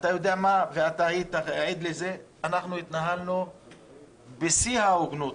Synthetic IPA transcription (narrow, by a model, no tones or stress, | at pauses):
at̪ajo̞d̪eamaveat̪aajit̪aeed̪leze̞ | anaχnuit̪naɦalnu | besihaoɡnut̪